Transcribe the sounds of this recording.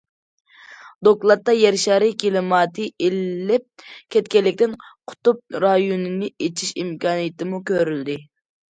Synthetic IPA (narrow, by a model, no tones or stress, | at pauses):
d̪oklˠɑt̪ːɑjɛɾʃɑɾɨkʲilɨmɑːt̪ʰɨelːɪp̚kʲʰɛt̪̚kʲɛlːɪkʲt̪ɪnqʰʊ̥t̪up̚ɾɑjonɨnɨet͡ʃʰiʃḭmkʲɑːnijɪt̪ʰɪmukʲøɾyld̪ɪ